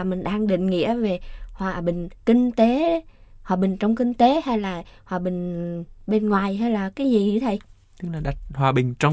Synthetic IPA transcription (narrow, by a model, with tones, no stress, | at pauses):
a˨˩mï˨˩ŋ̟ɗaː˧ŋɗḭ˧˨ŋ̟ŋḭ˧˥əve˨˩hwaː˨˩ɓï˨˩ŋ̟kï˧ŋ̟t̪e˨˦ | hwaː˨˩ɓï˨˩ŋ̟t͡ɕɔ˧wŋ͡mki˧ŋ̟t̪e˨˦ha˧jlaː˨˩hwaː˨˩ɓï˨˩ŋ̟ɓe˧nŋwaː˨˩jɦa˧jlaː˨˩kaː˨˦jzi˨˩˧t̪ʰə˧j | t̪ɨ˨˦˥k̚laː˨˩ɗa˨˩t̚hwaː˨˩ɓï˨˩ŋ̟t͡ɕɔ˧w